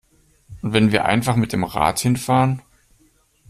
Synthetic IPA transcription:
ʔʊntv̥ɛnviːɐʔa̰ɪnfaχmɪt̚d̥eːmʁa̰ːthɪnfaːʁən

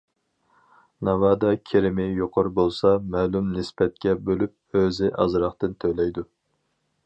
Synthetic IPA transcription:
nɑwɑːd̪ɑkʲʰeɾɪmɪjoqʰʊɾbolˠsɑmɛːlˠumnɪspɛt̪̚kʲɛbølyp̚øzɪʔɑzɾɑχt̪ɨnt̪ʰølɛjd̪u

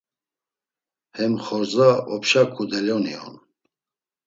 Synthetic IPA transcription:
hɛmχɔɾzaɔpʃakʰud̪ɛlɔniɔ̰n

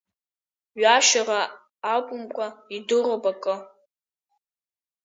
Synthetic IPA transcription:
ɥaʃaraː | kʷʼʊmkʷʼaidɨrobakʼɨ

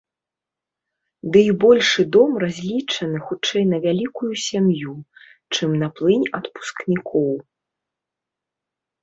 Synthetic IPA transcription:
d̪ɨibɔlʲʂɨd̪ɔmrazʲlʲit͡ʂɐnɨxut͡ʂɛjnɐvʲalʲikujusʲamjut͡ʂɨmnaplˠɨnʲɐt̪pu̥sknʲikʰɔw

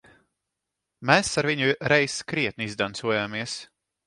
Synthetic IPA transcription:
mɛːsaɾviɲuɾɛjskɾiɛt̪̚nizd̪ant̪suɔjaːmiɛs

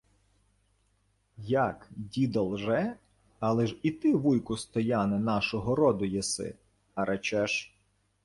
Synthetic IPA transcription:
jɐkdʲid̪ɐlˠʒɛ | ɑlˠɛʒit̪ɪʋujkʊst̪ɔjɑnɛnɑʃɔɦɔɾɔd̪ʊjɛsɪ̰ | ɐɾʔɐt͡ʃɛʃ

